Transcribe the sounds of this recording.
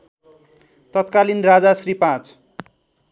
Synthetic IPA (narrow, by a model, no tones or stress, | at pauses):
t̪ʌt̪kalinrad͡zasripãt͡s